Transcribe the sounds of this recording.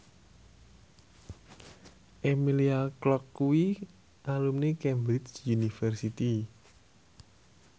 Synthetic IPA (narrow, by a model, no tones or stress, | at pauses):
ʔemiliaklɔkːuwi | ʔalumnekɛmbɾit͡ʃjunifərsit̪i